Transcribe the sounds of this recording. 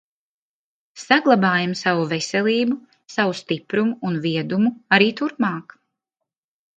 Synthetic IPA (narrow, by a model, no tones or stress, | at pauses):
saɡlˠabaːjamsavuvesʲɛlˠiːbu | savust̪ipɾumuːnviɛd̪umuaɾiːt̪uɾpmɑːk